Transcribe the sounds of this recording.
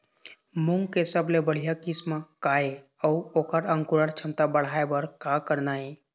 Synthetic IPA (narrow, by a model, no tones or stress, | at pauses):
mʊŋɡkesəblebəɽ̤ijakismakae | əoːkəɾə̃ŋkʊɾəɾt͡ʃʰəmt̪abəɽ̤aebəɾkakəɾnaːe